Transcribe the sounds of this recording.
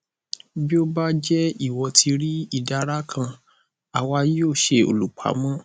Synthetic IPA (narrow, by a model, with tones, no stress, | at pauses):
bi˦o˦ba˦d͡ʒɛ˦i˦˨wɔ˧tʰi˧ɾi˦i˦˨da˧ɾa˦kʰã˧ | a˨wji˦o˦˨ʃe˧o̰˨lu˨k͡pʰa̰˨˦mɔ̃˦